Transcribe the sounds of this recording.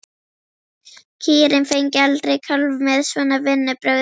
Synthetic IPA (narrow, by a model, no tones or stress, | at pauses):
cʰiːɾɪnfejɲcɪalt̪ɾejkʰœlvmɛðsvɛːnavɪnːɪpɾœɣ